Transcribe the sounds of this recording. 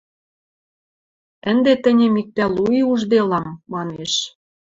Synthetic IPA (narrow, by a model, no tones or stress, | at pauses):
ə̆nd̪et̪ɘ̆nʲemik̚t̪æluiuʒd̪elɑmːɑneʃ